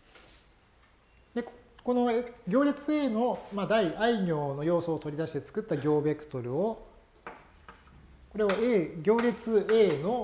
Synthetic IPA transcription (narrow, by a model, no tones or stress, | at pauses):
d̪e̞ko̞no̞ɡʲo̞ːɾʲet͡sɨe̞ːno̞mad̪aiaiɲʲo̞ːno̞jo̞ːso̞ːt̪o̞ɾʲid̪aɕi̥t̪e̞t͡sɨ̥kɯ̟t̪ːaɡʲo̞ːbe̞kɯ̟̥t̪o̞ɾɯ̟o | ko̞ɾe̞βaeːɡʲo̞ːɾʲet͡sɨe̞ːno̞